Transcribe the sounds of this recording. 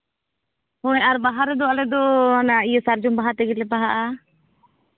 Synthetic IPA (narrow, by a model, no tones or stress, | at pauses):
hɔɛʔaɾbaɦaɾɛd̪ɔalɛd̪ɔanaijəsaɾd͡ʒɔmbaɦaɾt̪ɛɡɛlɛpaɦaʔa